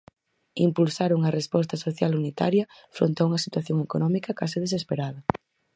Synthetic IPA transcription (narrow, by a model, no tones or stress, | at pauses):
impulsaɾuŋɐrespɔst̪ɐsoθjalunit̪a̰ɾjɐ | fɾo̰nt̪eauŋɐsit̪waθjoŋekonɔmikɐkasiðes̬espeɾaðɐ